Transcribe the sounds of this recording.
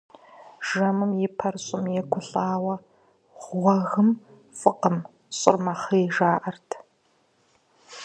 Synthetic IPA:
ʒɐmɨmjɪpʰɐrɕʼɪmjɛɡʷʊɬʼaːwɐ | ʁʷɔɣɨm | fʼɨqəm | ɕʼɪ̰rmɐχijʒaːʔɐrtʰ

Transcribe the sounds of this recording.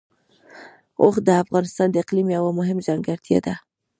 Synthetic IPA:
oxd̪əafɣɑnɪst̪ɑnd̪əɪqlimawamʊɦɪmʒaŋɡaɾt̪ʰja̰d̪a

